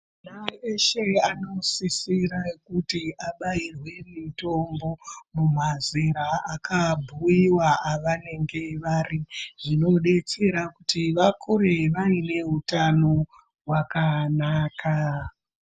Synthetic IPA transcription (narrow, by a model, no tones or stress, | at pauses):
naeʃeano̞sisiɾakutiʔaɓairwe̞mito̞mbo̞mumaziɾaakʰabʱuiwaaʋane̞ŋɡe̞ʋariʐ̥ino̞ɗe̞t͡se̞ɾakutiʋakʰuɾeʋaine̞ɦutano̞ | wakanaːkʰa